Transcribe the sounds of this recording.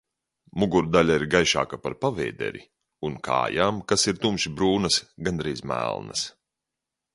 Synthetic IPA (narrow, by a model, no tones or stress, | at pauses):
muɡuɾd̪alʲaiɾɡajʃa̰ːkapaɾpavɛ̰ːd̪ɛ̰ɾḭ | unkʰa̰ːjaːmkasiɾt̪umʃibɾuːnɐsɡand̪ɾiːzmæ̰ːlˠnɐ̰s